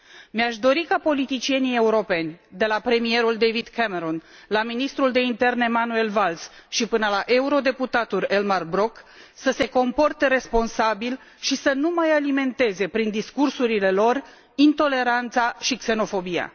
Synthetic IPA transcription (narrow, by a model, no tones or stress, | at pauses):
meaʃd̪o̞ɾikapo̞lit̪it͡ʃie̞nije̞uɾo̞pe̞nʲd̪e̞lapɾe̞mie̞ɾuld̪e̞jvid̪kʰemeɾon | laminist̪ɾuld̪e̞int̪e̞rne̞manue̞lvalsʃipɨnəlaʔe̞uɾo̞d̪e̞put̪at̪ulʲe̞lmarbɾo̞ksəse̞ko̞mpo̞rt̪e̞ɾe̞spo̞nsabil | ʃisənumajalime̞nt̪e̞ze̞pɾind̪iskursuɾile̞lo̞r | int̪o̞le̞ɾant̪saʃikse̞no̞fo̞bija̰